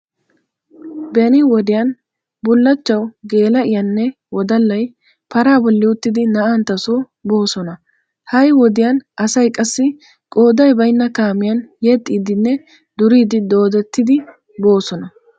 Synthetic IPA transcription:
bɛnɪwɔd̪ɪjɐn | bʊlːɐt͡ʃːɐwɡe̞ːlɐʔɪjɐnːɛ | wɔd̪ɐlːɐj | pɐɾaːbɔlːɪʊt̪ːɪd̪ɪnɐʔant̪ɐso | bo̞ːsɔnɐ | hɐjwɔd̪ɪjɐnʔɐsɐjkʼɐsːɪ | kʼo̞ːd̪ɐjbɐjnːɐkaːmɪjɐnjɛt̪ʼːiːd̪ɪnːɛ | d̪ʊɾiːd̪ɪd̪o̞ːd̪ɛt̪ːɪd̪ɪ | bo̞ːsɔnɐ

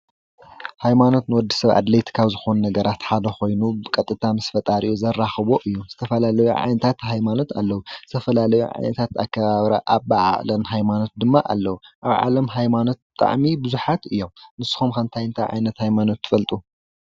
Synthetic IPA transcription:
hajmano̞t̪nɨwɔd̪ːisɐβʔa̰d̪lɐjt̪ʰkʰaβzɨxo̞nunɐɡɐɾat̪ħad̪ɐxo̞jnubɨkʼɐt̪ʼːɨt̪ʰamɨsfɐt̪ʼaɾiʔuzɐrːaxɨβo̞ʔɨjːuz̥ɨt̪ʰɐfɐlalɐjṵʕa̰jnɐt̪ʰat̪ɦajmano̞t̪ʰa̰lːɐwuz̥ɨt̪ʰɐfɐlalɐjṵʕa̰jnɐt̪ʰat̪a̰kʰːɐβaβɾɐ̰ʔaβbaʕa̰ʔlɐmɦajmano̞t̪̚d̪ɨmːaʔa̰lːɐwuʔaβʕa̰lɐmɦajmano̞t̪̚bɨt̪ʼa̰ʕmibɨzuħat̪ɨjːo̞mnɨsːɨ̥xumkʰɐmt̪ʰajɨnt̪ʰajʕa̰jnɐt̪hajmano̞t̪ʰːɨ̥fɐlt̪ʼu

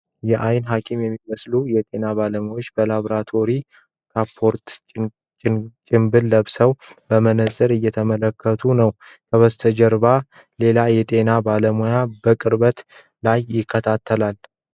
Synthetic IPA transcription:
jɛʔajnɦakʼimjɛmːiməslujɛt̪ʼe̞naβaləmojo̞t͡ʃːbəlaβɾat̪ʰo̞ɾi | kʰapʰːo̞ɾt̪ʼ | t͡ʃʼɪmbɨlːəβsəwbəmənəsʼɨɾɨjːɛt̪ʰəmələkʰːət̪ʰunəw | kʰəβəst̪ʰəd͡ʒəɾba | le̞lajɛt̪ʼe̞nabaləmojabəkʼɨɾbət̪ | lajːɪkʰːət̪ʰat̪ʰːəlal

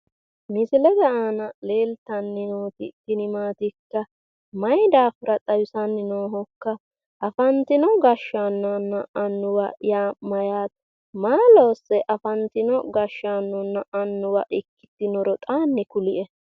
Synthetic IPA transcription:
mɪsɪlɛɡɐʔaːnɐle̞ːlt̪ɐnːɪnoːt̪ɪk̪ːɪnɪmaːt̪ɪkːɐ | mɐjd̪aːfʊɾɐt̪ʼɐjʊsɐnːɪnoːɦɔkːɐ | ʔɐfɐnt̪ɪnɔɡɐʃːanːɐnːɐʔɐnːʊwɐjaːmɐjaːt̪ | maːloːsɛʔɐfɐnt̪ɪnɔɡɐʃːanːɔnːɐʔɐnːʊwɐʔɪkːɪ̥t̪ːɪnɔɾɔt̪ʼaːnːɛkʊlɪʔɛ

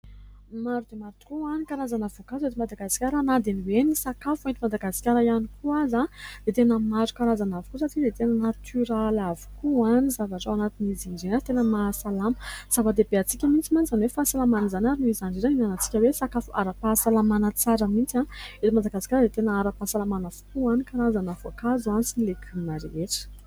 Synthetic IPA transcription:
maɾud̪emaɾt̪u̥kuanikaɾazanavokaset̪imad̪aɡasi̥kʲaɾanad̪eniwenisakafuent̪imad̪aɡasi̥kʲaɾəianikuazad̪et̪enəmazukaɾazanavikusaʈ͡ʂid̪et̪enənat̪ʰyɾalavi̥kuanizavaʈ͡ʂawanat̪inizinizenḁt̪enəmasalaməz̥avəd̪ebeat͡sikʲəmint͡simanizanwefaːsalamanizanaɾinuizanɖ͡ʐizaninanat͡si̥kʲəwesakafuʔa̰ɾapasalamanət͡saɾəmint͡sãet̪imad̪aɡasi̥kʲaɾəd̪et̪enəaɾapasalamanav̥u̥kuanikaɾazanavakazuanisinlekʰimaɾeʈ͡ʂə̥

